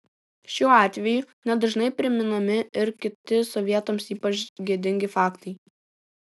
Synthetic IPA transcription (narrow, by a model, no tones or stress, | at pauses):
ʃʲuːɑːt̪ʲʋʲɛjunʲɛd̪ɐʒnɐɪpʲɾʲɪmʲɪnɐmʲɪɪɾkʲɪt̪ʲɪsɔʋʲiɛt̪ɐmsiːpɐt͡ʃɡʲiɛd̪ʲɪŋʲɡʲɪfɑːkt̪ɐɪ